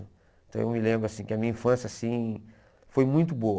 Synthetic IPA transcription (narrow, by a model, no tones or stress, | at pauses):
ʊ | ẽt̪ɐ̃w̃ewmɪlẽbɾʊasĩkɪɐmĩɲɐĩfɐ̃sjɐsĩ | fojmũj̃t̪ʊboɐ